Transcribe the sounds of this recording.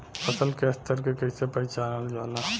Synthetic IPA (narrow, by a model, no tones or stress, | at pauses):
pəsəlkest̪əɾkekəisepəit͡ʃanəld͡ʒalã